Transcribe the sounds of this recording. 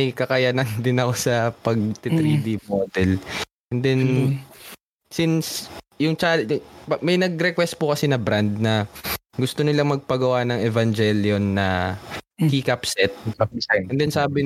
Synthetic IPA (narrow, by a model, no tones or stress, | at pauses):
ɐjkɐkɐjanɐnd̪ɪnɐkosɐpɐɡ̚t̪ɪt̪ɾid̪ipot̪ɛl | ʔɛnd̪ɛn | sins | jʊŋt͡ʃalpɐmɐjnɐɡɾɛkwɛst̪̚pʊkɐsɛnɐbɾand̪̚nɐɡʊst̪onɪlaŋmɐɡ̚pɐɡɐwanɐŋɛvɐnd͡ʒɛljonːɐ | kiːkɐpsɛt̪̚ɐd̪ɪɛnd̪ɛnsaːbɪ